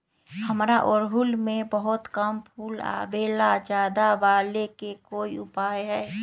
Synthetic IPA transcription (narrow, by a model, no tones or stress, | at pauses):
hɐmɾaʔʊɾɦʊlmẽbɐɦʊt̪kəmpʰuːla̰ːbeːlad͡ʒjaːd̪aʋaːlekekoːiʊpaːjɦɛː